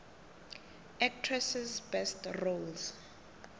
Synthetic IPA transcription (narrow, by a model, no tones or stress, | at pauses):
ɛk̚tʰrɛsizbɛstrolz